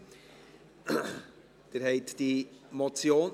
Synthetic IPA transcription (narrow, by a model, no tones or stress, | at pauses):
d̪̥eɾɦɛɪtd̥imot͡sjoːn